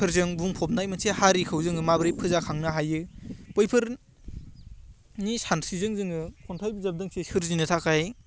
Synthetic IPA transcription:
pʰɯɾzɯŋbuŋpʰɔp̚najmɯnsehaɾikʰɯwzɯŋɯmabɾipʰɯzakʰaŋnaɦajɯpɔjpʰɯɾ | nisansizɯŋzɯŋɯkʰɔntʰajbɯzab̚dɯŋsesɯɾzinɯtʰakʰaj

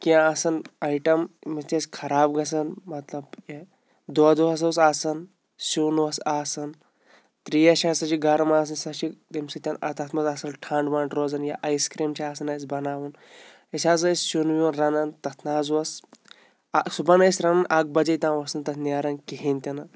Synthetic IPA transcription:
kiãaːsɐnɐjʈɐmmɐt̪ʲɐskʰɐɾaːbɡɐs̬ɐnmɐt̪lɐbje | d̪oːd̪uɦɐs̬ɐws̬aːsɐn | sunʋɐsaːsɐn | t̪ɾijɐʃʰaːsɐt͡ʃʰiɡɐɾɐmaːs̬ɐnsɐt͡ʃʰit̪imsɐt̪ʲɐnɐt̪ɐt̪ʰmɐzaːsɐnʈʰãːɳɖʋaːɳʈɾoːzɐnjaʔɐjskɾiːmt͡ʃʰiaːsɐnɐs̬bɐnaːʋun | ɐsʲaːz̬ɐsʲsunʋʲiunɾɐnɐnt̪ɐt̪ʰnaːzʋɐs | subɐnɐjsʲɾɐnɐnʔaːk̚bɐd͡ʒɐjt̪ʲãːʋɐsɐnt̪ɐt̪ʰnʲaːɾɐnkiɦinʲt̪ʲɐnɐ

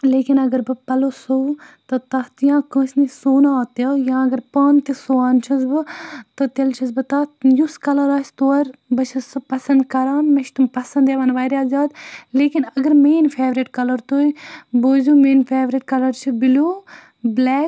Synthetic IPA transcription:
leːkinɐɡɐɾbɨpɐlosowt̪ɐt̪ɐt̪jãːkə̃ːsnisoːnaːt̪jɐjãːɐɡɐɾpaːnt̪isoːaːnt͡ʃʰɐs̬bɨt̪ɨt̪elt͡ʃʰɐsbɨt̪ɐjuskɐlɐɾaːst̪oːɐɾbɨt͡ʃʰɐspɐsɐnd̪kɐɾaːnmeʃʰt̪umpɐsɐnd̪eːʋɐnʋaːjɾʲaːzaːd̪leːkinɐɡɐɾmeːnfʰeːʋɾiʈkɐlɐɾt̪oːiboːzuːmeːnfʰeːʋɾiʈkɐlɐɾt͡ʃʰibiloː | blɛːk

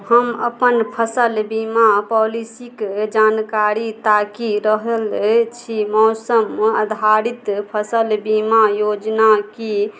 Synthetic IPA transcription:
həməpənpʰəsəlbimapɔlisikd͡ʒankaɾit̪akiɾəɦəlt͡ʃʰimɔːsəmːeəd̪ʱaɾit̪pʰəsəlbimajod͡ʒnaki

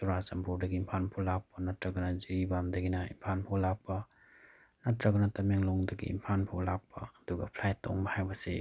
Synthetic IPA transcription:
suɾasɐmpʰuɾdɐɡiːmpʰanpʰolak̚pɐnɐtɾɐɡɐnɐziɾibamdɐɡinɐḭmpʰanpʰolak̚pɐ | nɐtɾɐɡɐnɐtɐmeŋlɔŋdɐɡḭḭmpʰanpʰolak̚pɐ̰ɐduɡɐpʰlajto̰ŋbɐhajbɐsḛ

